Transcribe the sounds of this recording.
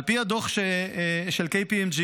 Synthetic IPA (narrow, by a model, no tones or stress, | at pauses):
lpiad̪oχʃeʃelkejpiɛmd͡ʒi